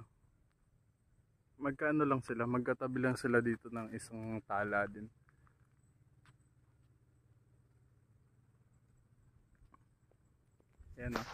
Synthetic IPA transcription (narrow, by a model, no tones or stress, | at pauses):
mɐɡ̚kaːʔɐno̞lɐŋsɪlamɐɡ̚kɐt̪ɐbɪlɐŋsɪlad̪iːt̪o̞nɐŋɪsaŋt̪aːlaːd̪ɪn | jano